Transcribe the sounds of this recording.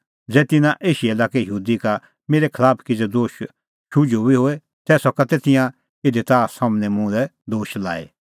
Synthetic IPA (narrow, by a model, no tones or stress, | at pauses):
d͡zɛːt̪ɪnãʔeːʃiɛlaːkejəɦuːd̪ika | meːɾɛkʰɐlaːpʰkid͡zɛd̪oːʃ | ʃʰud͡ʒobiɦoːɛ | t̪ɛːsɔkat̪et̪ɪjã | ɪd̪et̪aːsamnɛmũlɛd̪oːʃla̰ːḛ